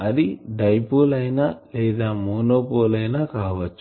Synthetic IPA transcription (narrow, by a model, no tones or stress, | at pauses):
ɐd̪iɖɐjpoːlɐjnalɛːd̪aːmoːnoːpoːlɐjnakaːʋɐt͡ʃːu